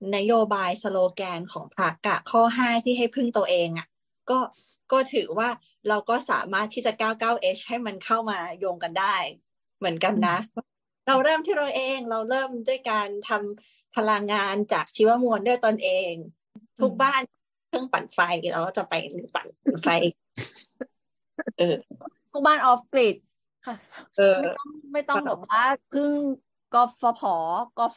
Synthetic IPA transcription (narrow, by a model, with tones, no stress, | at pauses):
na˦˥joː˧baː˧jsa˧loː˧kɛː˧nkʰɔ̰ː˩˦ŋpʰa˦˥k̚ːa˧˨˩kʰːɔː˥˩ɦaː˥˩jt̪ʰiː˥˩ɦa˥˩jpʰɯ˥˩ŋt̪u˧ɐʔeː˧ŋʔa˨˩ | kɔː˥˩ | kɔː˥˩t̪ʰɯː˩˦waː˥˩ | ɾa˧wkɔː˥˩sa̰ː˩˦maː˥˩t̪ʰːiː˥˩t͡ɕa˨˩kaː˥˩wkaː˥˩wʔe˦˥t͡ɕha˥˩jma˧nkʰa˥˩wmaː˧joː˧ŋka˧ndaː˥˩j | mɯ˩˦ənka˧nːa˦˥ | ɾa˧wɾɤː˥˩mt̪ʰiː˥˩ɾa˧wʔeː˧ŋɾa˧wɾɤː˥˩mdu˥˩əjkaː˧nt̪ʰa˧m | pʰa˧la˧ŋːaː˧nt͡ɕa̰ː˨˩k̚t͡ɕʰiː˧˥wa˦˥mu˧əndu˥˩əjt̪o˧nʔeː˧ŋ | t̪ʰu˦˥k̚baː˥˩n | kʰɯ˥˩əŋpa̰˨˩n̚fa˧jni˨˩ɾa̰˧wkaː˥˩t͡ɕa˨˩pa˧jn˧˩pa̰˨˩n̚˨˩nfa˧jʔ | ʔɤː˧˩t̪ʰu˦˥˩k̚baː˥˩nʔɔː˦˥f̚kli˨˩t̪̚ | kʰa˧˩ʔɤː˧a˥ɔ˥˩ŋma˥˩jt̪ɔ˥˧˩ŋbɛː˨˩k̚waː˥˩pʰɯ˥˩ŋ | kɔ˧˩fɔ˧pʰɔː˩˦kɔː˧˩